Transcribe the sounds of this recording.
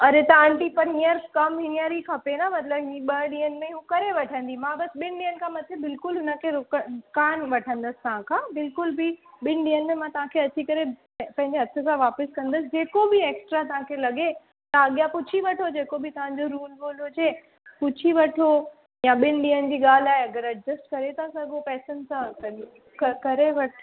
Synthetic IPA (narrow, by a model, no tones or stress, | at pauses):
ɐɾet̪ɐãɳʈipɐɾɦiːəɾkɐmɦɪniəɾikʰapenamɐt̪ləbɦĩɓɐɗĩːənmẽɦũkɐɾeʋɐʈʰə̃n̆d̪imãbɐsɓɪnɗĩːənɪ̆kʰãːmɐt̪ʰebɪlkʊlɦʊnəkʰeɾʊkəʊkaːnʋɐʈʰə̃nd̪əsɪ̥t̪ɐʋ̤ãkʰãːbɪlkʊlbɪɓɪnɗĩːənmãt̪ɐʋ̤ãkʰeɐt͡ɕʰikɐɾe | pɐ̃ɦɪ̃ɲd͡ʑeɦɐt̪ʰɪ̆sãʋaːpəskɐ̃nd̪əsɪd͡ʑeːkobieːksʈɾat̪̬ɐʋ̤ãkʰelɐɠe | t̪aɐɠijapʊt͡ɕʰiʋɐʈʰod͡ʑeːkobit̪ɐʋ̤ãɲ̆d͡ʑoɾuːlboːlɦʊd͡ʑe | pʊt͡ɕʰiʋɐʈʰo | jãɓɪn̆ɗĩːənɪ̆d͡ʑiːɠaːl̤aːɦeɐɡəɾɐʈ̚d͡ʑəsʈkɐɾet̪ʰasɐɡopɛːsənsãkɐ | kɐkɐɾeʋɐʈʰ